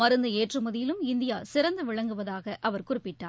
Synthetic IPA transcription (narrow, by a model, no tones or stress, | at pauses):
ɐɾɯnd̪ɯeːʈrɯmɐðɪjɪlɯmɪnd̪ɪjaːsɪɾɐnd̪ɯʋɪɭɐŋɡɯʋɐðaːɣɐʔɐʋɐɾkʊrɪpːɪʈːaː